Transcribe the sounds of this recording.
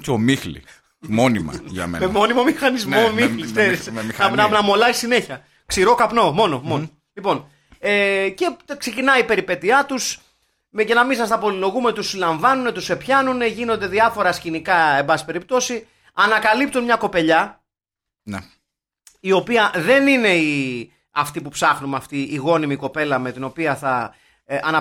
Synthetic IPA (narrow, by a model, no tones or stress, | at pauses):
comixlḭ | mo̞nimɐ̰ʝɐ̰mḛnmemo̞nimo̞mixɐnizmomixlikseɾismiɐnɐnɐmo̞lɐisineçiɐ | ksiɾo̞kɐpno̞mo̞no̞mono | lipo̞n | ece̞kse̞cinɐipe̞ɾipe̞t̪iɐt̪us | mecenɐmisɐst̪ɐpo̞lilo̞ɣumet̪usilɐɱvɐnune̞t̪use̞pçɐnune̞ʝino̞nd̪e̞ðiɐfo̞ɾɐscinikɐe̞mbɐsi̥pe̞ɾip̚t̪o̞si | ɐnɐkɐlip̚t̪unmɲɐko̞pe̞ʎɐ | n | io̞piɐðe̞nine̞i | ɐft̪ipupsɐxnumeɐft̪iʔːɣo̞nimiko̞pe̞lɐme̞t̪ino̞piɐθɐ | ɐnɐ